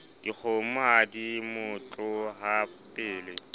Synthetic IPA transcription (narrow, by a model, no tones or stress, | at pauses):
d̥ik͡xʰomadimʊt͡ɬʼʊɦapʼɪːlɪ